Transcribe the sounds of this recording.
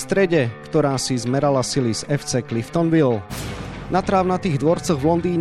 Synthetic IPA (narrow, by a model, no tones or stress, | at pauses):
st̪ɾɛɟɛkt̪ɔɾaːsizmɛɾalasilisɛft͡sɛklift̪ɔnʋil | nat̪ɾaːʊnat̪iːɣd̪ʋɔɾt͡sɔɣʋlɔnd̪iːɲ